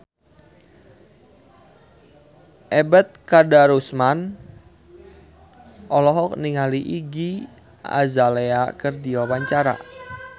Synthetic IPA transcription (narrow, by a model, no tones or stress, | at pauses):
ʔɛbɛt̪̚kadaɾusman | ʔɔlɔɦɔk̚niŋaliʔiɡi | a̰zaleakərdiwawaɲt͡ʃaɾa̰